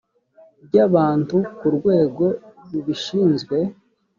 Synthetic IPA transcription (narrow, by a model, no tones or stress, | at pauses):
b̚ɟaβaːntukuɾɡwe̞ːɡo̞ɾuβiʃiːnzɡwe̞